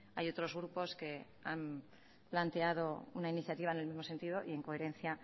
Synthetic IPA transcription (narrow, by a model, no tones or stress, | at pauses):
ajo̞t̪ɾo̞zɣɾupo̞ske̞ | am | plant̪e̞að̞o̞unainiθjat̪iβaenelmizmo̞se̞nt̪iðo̞ʔie̞ŋko̞e̞ɾẽ̞nθja